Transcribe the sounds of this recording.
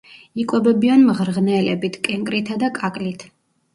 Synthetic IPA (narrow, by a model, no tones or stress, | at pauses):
ikʼwɛbɛbianmʁɾʁnɛlɛbit̪ʰkʼɛŋkʼɾit̪ʰad̪akʼakʼlit̪ʰ